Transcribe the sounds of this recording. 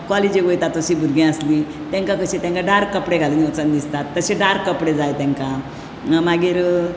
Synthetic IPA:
kɔlid͡ʑeɡojt̪at̪əɕibʱuɾɡʱẽəsli | t̪ɛ̃ŋkakəɕet̪ɛ̃ŋkaɖaɾkːəpɽeɡʱalunɔt͡sənd̪ist̪at̪ːəɕeɖaɾkːəpɽed͡zajt̪ɛ̃ŋkã | maɡiːɾ

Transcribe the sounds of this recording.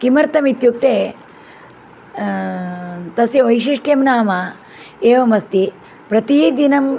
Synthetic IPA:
kimɐɾt̪ɐmit̪juk̚t̪eː | t̪ɐsiʋɐjʃiʂʈjɐmnaːmɐ | eːʋɐmɐst̪i | pɾɐt̪iːd̪inɐm

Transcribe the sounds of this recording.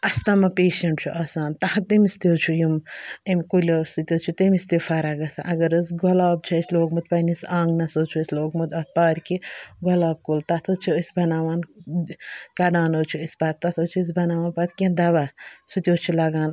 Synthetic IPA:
ɐst̪ɐmɐpeːʃɐɳʈ̚t͡ʃʰuʔaːsaːnt̪ɐhɐt̪imist̪ʲoːt͡ʃʰujimimkulʲoːsut̪ʲjoːt͡ʃʰut̪imist̪ifʰɐɾaɡɐsã̰ʔɐɡɐɾəsɡɔlaːb̚t͡ʃʰɐisloːkmɨt̪̚pɐnisãːŋɡnɐsoːt͡ʃʰuəsʲloːkmɐt̪ɐt̪̚paːɾʲkiɡɔlaːb̚kult̪ɐt̪ʰot͡ʃʰuəsʲbɐnaːʋaːn | kɐɖaːnoːt͡ʃʰuəspaːt̪̚ːɐt̪ʰot͡ʃʰus̬bɐnaːʋaːnpɐt̪kʲẽd̪ɐʋasut̪ʲjoːt͡ʃʰulɐɡaːn

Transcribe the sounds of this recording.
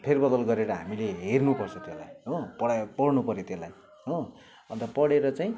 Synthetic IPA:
pʰerbʌd̪ʌlɡʌɾeɾʌɦamileɦernupʌrt͡sʰʌt̪elajɦopʌɽapʌɽnupʌɾjot̪elaj | ɦo | ʌnt̪ʌpʌɽeɾʌt͡saĩ

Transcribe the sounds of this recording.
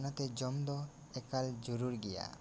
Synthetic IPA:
nat̪ɛd͡ʒɔmd̪ɔ | ɛkald͡ʒuɾuɾɡɛja̰

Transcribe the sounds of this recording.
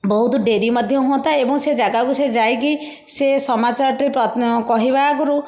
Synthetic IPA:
bɔɦut̪ɖeɾimɔd̪ʱjɔɦuɔ̃nt̪aebɔŋsed͡ʒaɡakused͡ʒajki | sesɔmat͡ʃaɾɔʈɾipɾɔkɔɦibaːkuɾu

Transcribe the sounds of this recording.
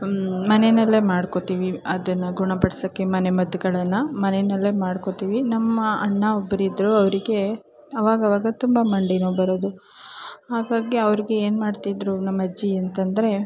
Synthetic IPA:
mɐnenɐlːe̞maːɽko̞t̪iːʋiɐd̪ɐnːɐɡuɳɐpɐɽɐsɐkːemɐnemɐd̪uɡɐɭɐnːɐmɐnenɐlːe̞maːɽko̞t̪iːʋinɐmːɐɐɳːɐobːɐɾid̪ɾuɐʋɐɾiɡe̞ | ɐʋaːɡɐʋaːɡɐt̪umbɐmɐɳɖinoːbɐɾod̪u | haːɡaːɡiɐʋɐɾiɡe̞eːnmaːɖt̪id̪ɾunɐmːɐd͡ʒːiɐnt̪ɐnd̪ɐɾe̞

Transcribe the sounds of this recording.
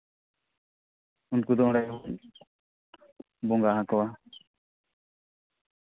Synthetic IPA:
unkud̪ɔ̃ɽajbɔl | bɔŋɡaɦãkɔwa

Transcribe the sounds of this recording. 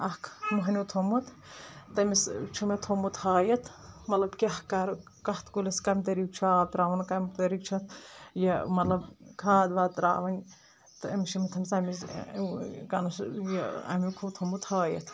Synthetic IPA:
ɐhkʰmuɦnʲut̪ʰomut̪ | t̪ɐmist͡ʃʰumet̪ʰomut̪haːjɐt̪mɐlɐbkʲehkaːɾ | kɐht̪kuleskɐmʲt̪ɐɾik̚t͡ʃʰaːt̪ɾaːʋɐnkɐmt̪ɐɾik̚t͡ʃʰɐt̪jɐmɐt̪lɐbkʰaːd̪ʋaːt̪ɾa̰ːʋɐnʲ | t̪ɨɐmʃimit̪ʰɐmsɐmis | kɐnɐsjeɐ̰mikʰut̪ʰomut̪haːjɐ̰t̪ʰ

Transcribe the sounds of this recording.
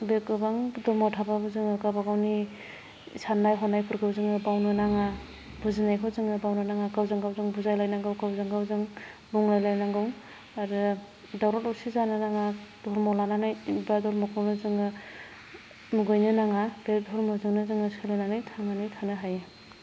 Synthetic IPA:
bekɯbaŋdɔɾmɔwtʰababɯzɯŋɯɡabaɡawni | sanːajɦɔnajpʰɯɾɡɯwzɯŋɯbawnɯnaŋa | buzinajkʰɔzɯŋɯbawnɯnaŋaɡawzɯŋɡawzɯŋbuzajlajnaŋɡɯwɡawzɯŋɡawzɯŋ | buŋlajlajnaŋɡɯw | aɾɯ | dawɾɔtɔwsizanɯnaŋad̥ɔɾmɔlananajibadɔɾmɔkʰɔwnɯzɯŋɯ | muɡɔjnɯnaŋabedʱɔɾmɔzɯŋnɯzɯŋɯsɯlananajtʰaŋanɯjtʰanɯɦaja

